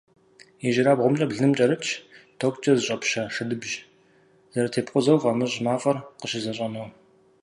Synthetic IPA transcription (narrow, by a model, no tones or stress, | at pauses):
iʒɪɾaːbʁʷʊmt͡ʃʼɐbɮɨmt͡ʃʼɐɾɨt͡ʃʰtʰokʷʼt͡ʃʼɐzɨɕʼɐpɕɐʂɨdɨbʒ | z̥ɐɾɐtʰeːpqʷʊzɐwvɐmɨʑmaːfʼɐrqəɕɪzɐɕʼɐnoː